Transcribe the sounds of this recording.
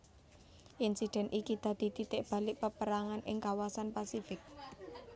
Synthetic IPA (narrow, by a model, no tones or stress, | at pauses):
ʔinsid̪̥ɛ̤nʔikid̪̥ä̤d̪̥i̤t̪it̪ɪʔb̥ä̤lɪk̚pəpəɾaŋanʔɪ̰ŋkawasanpasifɪk̚